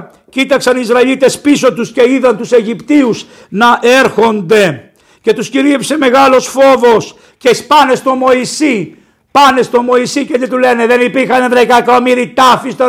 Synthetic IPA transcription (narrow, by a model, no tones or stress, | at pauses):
cit̪ɐksɐnizɾɐilit̪e̞spiso̞t̪usce̞iðɐnt̪use̞ʝipt̪ius | nɐʔe̞ɾxo̞nd̪e̞ | ce̞t̪usciɾipse̞me̞ɣɐlo̞sfo̞vo̞s | ce̞spɐne̞st̪o̞mo̞isi | pɐne̞st̪o̞mo̞isicet̪it̪ule̞neðenipiɾxɐnðekɐkɐt̪omiɾit̪ɐfist̪ɐ